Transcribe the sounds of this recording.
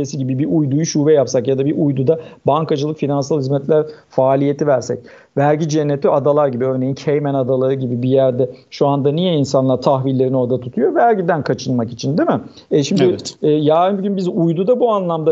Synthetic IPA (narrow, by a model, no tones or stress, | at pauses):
esiɟibibiʔujd̪ujuʃuːvɛjapsakjad̪abiɾʔujd̪ud̪abaŋkʰad͡ʒɯlˠɯkfinansalˠhizmɛt̪lʲæɾfaːlʲije̞t̪ʰivæɾsɛ̰c̚ | væɾɟid͡ʒɛnːet̪ʰiad̪alˠaɾɟibiø̞ɾnejincʰejmænad̪alˠaɾɯɟibibijæɾd̪ɛʃuand̪anijɛinsanlˠaɾt̪ʰaxvilʲːe̞ɾino̞ɾd̪at̪ʰut̪ʰujo̞væɾɟid̪ænkʰat͡ʃʰɯnmakit͡ʃʰind̪imɪ | ɛʃimd̪ɪɛːjaːnbɟynbizujd̪ud̪abuanlˠamd̪a